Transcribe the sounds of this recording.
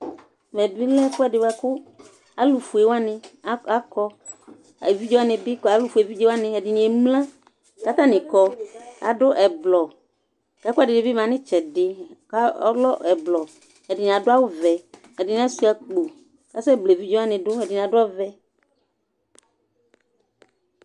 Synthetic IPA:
mɛ˨bi˦lɛ˦kʊ˦ɛ˨dɪ˨wa˨kʊ˦ | a˨lu˨fu˨e˨wa˦nɪ̃˨˦a˦kɔ˦˨ | vi˦d͡ʒɔ˦a˦nɪ̃˨bɪ˦ka˨˦lu˦fu˨e˨vi˦d͡ʒe˦wa˦nɪ̃˨ɛ˨dɪ˨ni˨ɛ˨mlã˦ | ka˦t̪ã˦nɪ̃˨kɔ˨a̰˨dʊ˦ʔɛ˨blɔ˨ | ka˨˦kʊ˦a˦dɪ˨dɪ˨bi˦mã˨nɪ̃˦t͡ʃɛ˨dɪ˨ka˦lɔ˦ʔɛ˨blɔ˨ | ɛ˨dɪ˨n˨a˨dʊ˦a˦wo˦vɛ˨ | ɛ˨dɪ˨ñ˨a˦si˦a˨k͡po˨ | ka˦sɛ˦ble˨vi˦d͡ʒɔ˦a˦nɪ̃˨dʊ˦ɛ˨dɪ˨n˨a˨dʊ˦a˦vɛ˦

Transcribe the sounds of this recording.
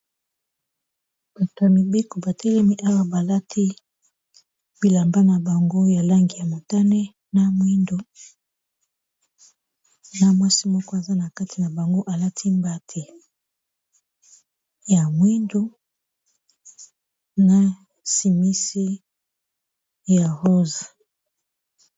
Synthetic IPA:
b̥a˨to˨a˨mi˨be˦ko˨ba˨tʰɛ˦lɛ˦mi˦ʔa˦wa˦ba˨la˦tʰi˦ | bi˨la˨mba˦na˨ba˨ŋɡo˦ja˨la˦ŋɡi˨ja˨mo˨ta˦nɛ˦ | na˦mwi˦ndo˦ | na˦mwa˦si˦mɔ˦kɔ˦a˨za˦na˨ka˦ti˨na˨ba˨ŋɡo˦ʔa˨la˦tʰi˦mba˦tʰe˨ | ja˨mwi˦ndu˦ | na˦ | si˨mi˦si˦ | ja˨ʁo˦za˨

